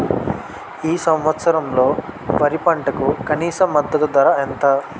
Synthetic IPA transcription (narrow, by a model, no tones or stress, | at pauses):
iːsɐ̃mʋɐt̪sɐɾɐmlo̞ːpɐɾipɐɳʈɐkukɐniːsɐmːɐd̪ːɐt̪ud̪ʋɐɾɐɛnt̪ɐ